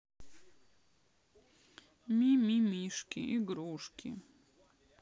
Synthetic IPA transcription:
mʲimʲimʲiʂkʲḭʔiɡɾuʂkʲʰḭ

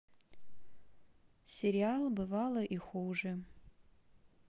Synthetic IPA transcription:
sʲeɾʲialˠbɨvalˠɐʔixuwʐɨ

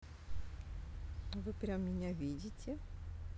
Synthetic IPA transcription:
vɨpɾʲamːʲɪnʲavʲidʲɪtʲɪ

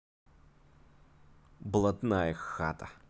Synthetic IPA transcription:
blˠɐt̪najəxa̰t̪ɐ

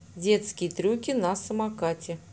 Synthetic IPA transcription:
dʲe̞t̪skʲɪjt̪ɾʲukʲɪnasəmakatʲɪ

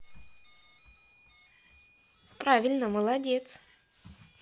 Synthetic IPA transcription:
pɾavʲɪlʲnəməlˠɐdʲet̪s

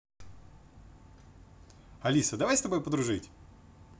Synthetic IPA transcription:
ɐlʲisəd̪ɐvajst̪ɐbojpəd̪ɾʊʐɨtʲ

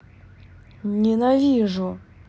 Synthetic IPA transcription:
ɲinaliʐo

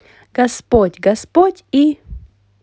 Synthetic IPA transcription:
ɡ̥ɐspotʲɡɐspotʲi

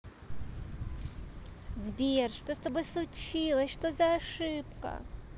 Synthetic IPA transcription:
zbʲerʂt̪ost̪obɨslˠʊt͡ɕilˠəsʲʂt̪ozɐaʂɨpkə̰

